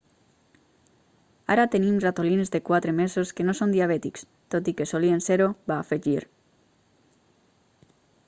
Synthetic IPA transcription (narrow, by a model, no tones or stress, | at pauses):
a̰ɾat̪enimrat̪olinzðekwat̪ɾemezoskenosond̪iaβ̞ɛt̪iks | t̪ot̪ikesolienseɾobaːfeʒiɾ